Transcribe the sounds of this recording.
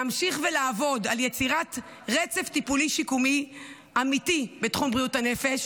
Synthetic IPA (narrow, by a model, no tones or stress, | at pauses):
amʃiχvelaːvo̞daljet͡siʁat | ʁet͡se̞ftipuliʃikumi | amitibetχumbʁijutane̞fe̞ʃ